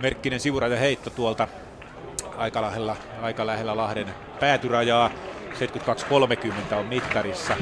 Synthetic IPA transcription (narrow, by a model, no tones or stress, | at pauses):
merkːinensiʋurɑjɑheit̪ːot̪uolt̪ɑ | ɑikɑlɑhelːɑ | ɑikɑlæhelːælɑhden | pæːt̪yrɑjɑːseˑt̪kyt̪kɑkskolmekymːent̪æommit̪kɑrisːɑ